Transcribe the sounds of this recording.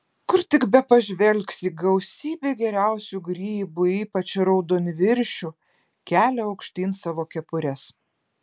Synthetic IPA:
kʊɾt̪ʲɪkbʲɛpɐʒʲʋʲɛlʲksiːɡɐʊsʲiːbʲeːɡʲɛɾʲæʊsʲuɡɾʲiːbʊiːpɐt͡ʃɾɔʊd̪oːnʲʋʲɪɾʲʃʲu | kʲæːlʲɛɐʊkʃʲt̪ʲiːnsɑːʋoːkʲɛpʊɾʲɛs

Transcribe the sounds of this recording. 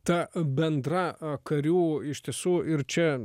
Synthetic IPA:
t̪ɐbʲɛnd̪ɾɐkɐɾʲuːɪʃʲt̪ʲiɛsuːɪrt͡ʃʲɛ

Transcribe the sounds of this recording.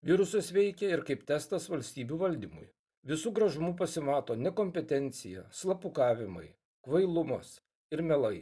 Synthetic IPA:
ʋʲɪɾʊsɐsʋʲɛɪkʲɛɪɾkɐɪpt̪ʲɛst̪ɐsʋɐlʲsʲt̪ʲiːbʲuːʋɐlʲd̪ʲiːmʊ̰j | ʋʲɪsuːɡɾɐʒʊmuːp̬ɐsʲɪmɑːt̪oːnʲɛkoːmʲpʲɛt̪ʲɛnʲt̪sʲɪjɛ̰slˠɐpʊkɑːʋʲɪmɐ̰ɪ | kʋɐɪlˠʊmɐs | ɪɾmʲɛlˠɐɪ

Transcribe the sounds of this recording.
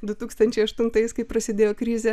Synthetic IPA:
d̪ʊt̪uːkst̪ɐnʲt͡ʃʲɛɪɐʃt̪ʊnt̪ɐɪskɐɪpɾɐsʲɪd̪ʲeːjoːkɾʲiːzʲɛ

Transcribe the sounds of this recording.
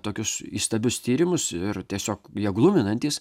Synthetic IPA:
t̪oːkʲʊsiːst̪ɐbʲʊst̪ʲiːɾʲɪmʊsɪɾt̪ʲiɛsʲoːkjɛɡlˠʊmʲɪnɐnʲt̪ʲiːs

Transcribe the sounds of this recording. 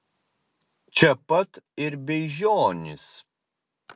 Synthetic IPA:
t͡ʃʲɛpɐt̪ɪɾbʲɛʒʲoːnʲɪs

